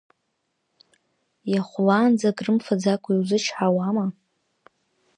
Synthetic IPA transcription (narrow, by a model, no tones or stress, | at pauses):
jaχʷlaːnd͡zaɡrɨmfad͡zakʷʰʼaiwzɨt͡ʃʰħawama